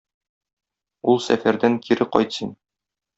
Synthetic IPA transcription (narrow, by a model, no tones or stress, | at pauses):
ulˠsæ̰fæɾd̪æŋkʰiɾɘqɒ̰jt̪sin